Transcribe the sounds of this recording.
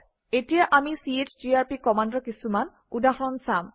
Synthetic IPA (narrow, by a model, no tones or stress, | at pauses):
etijaʔamisietʰd͡ʒiaɹpikɔmandɔkisuman | udaxɔnsam